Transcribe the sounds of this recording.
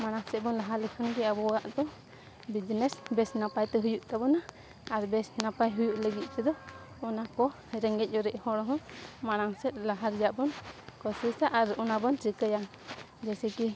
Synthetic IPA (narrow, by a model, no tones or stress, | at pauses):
maɽ̃aŋsɛt̪̚bɔnlaɦalɛkʰɔnkɛabɔɡaʔd̪ɔ | bid͡ʒnɛsbɛsnapajt̪ɛɦujuʔt̪abɔna | aɾbɛsnapajɦujuʔləɡit̪̚ˀt̪ɛd̪ɔː | nakɔhɛɾɛŋɡɛc̚ˀɔɾɛʔhɔɽɔɦɔ̃maɽ̃aŋsɛt̪̚ˀlaɦaɾd͡ʒaʔbɔnkɔsisaʔaɾɔnabɔnsikəja | d͡ʒɛsɛki